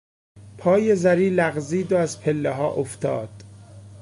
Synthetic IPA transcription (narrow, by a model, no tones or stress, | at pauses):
pʰɒːjezæɾiːlæɣziːd̪oæzpʰelːeɦɒːʔoft̪ʰɒ̰ːd̪̥